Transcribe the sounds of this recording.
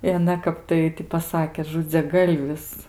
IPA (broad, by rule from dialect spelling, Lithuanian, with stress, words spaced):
ɪ ɐˈnɐ ˈkɐp tɐɪ tʲɪ pɐˈsɑːkʲeː ʒʊd͡zʲɛˈɡɐlʲʋʲɪs